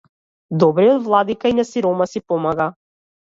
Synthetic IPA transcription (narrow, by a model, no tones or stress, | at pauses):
d̪ɔbɾiɔd̪vlˠad̪ikainasiɾɔmasipɔmaɡa